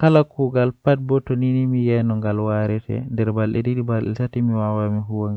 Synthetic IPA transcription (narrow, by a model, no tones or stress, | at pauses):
kalakuɡalpat̚bɔtoninimijɛnɔŋɡalwaɾɛtʰɛ̰ndɛɾbalɗɛdidibalɗɛ̰satimiwawamiɦuwaŋɡa